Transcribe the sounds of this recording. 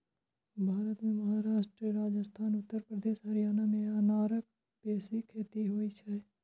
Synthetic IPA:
bʱaːɾət̪mẽməɦaɾaːʃʈɾiəɾaːd͡ʒəst̪ʰaːnʊt̪ːəɾpɾəd̪eːʃɦɐɾijaːnamẽɐnaːɾək̚ | peːsikʰeːt̪iɦoit͡ʃʰɛ

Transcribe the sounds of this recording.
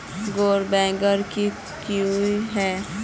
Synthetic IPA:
ɡoːɾbɛ̃ːɡəɾki | kiuiɦɛː

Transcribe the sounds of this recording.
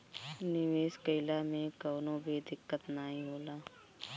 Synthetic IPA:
nɪʋeːskəɪlamẽkɔːnõbʱid̪ɪkːət̪naːɦĩɦoːlaː

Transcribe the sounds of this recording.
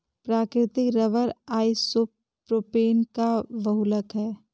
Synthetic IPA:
pɾaːkɾɪt̪ɪkɾɐʋəɾaːisop | pɾoːpeːnkaʋɐɦuləkɦɛː

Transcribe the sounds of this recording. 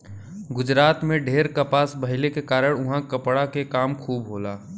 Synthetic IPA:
ɡʊd͡ʒɾaːt̪mẽɖʱeːɾkɐpaːsbʱɐɦɪlekekaːɾəɽ̃ʊɦãkɐpɽakekaːmkʰuːbɦoːlaː

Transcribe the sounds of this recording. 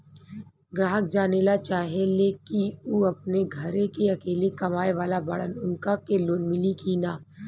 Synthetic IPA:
ɡɾaːɦək̚d͡ʒaːnelat͡ʃaːɦeleːkiuːɐpneɡʱɐɾekeɐkeːlekɐmaːeʋaːlabɐɽ̤ənʊnkakeloːnmɪlikinaː

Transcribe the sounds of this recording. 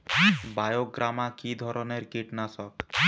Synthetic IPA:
bajoɡɾʔamakid̪ʱɔɾɔneɾkiʈnasɔk

